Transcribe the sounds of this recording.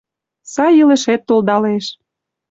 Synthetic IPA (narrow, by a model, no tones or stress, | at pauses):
sɑjələ̆ʃet̪ːold̪ɑleʃ